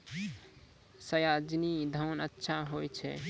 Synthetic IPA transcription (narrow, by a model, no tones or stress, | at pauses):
səjad͡ʒnid̪ʱəwnətːʃʰaɦojt͡ʃʰɛ̰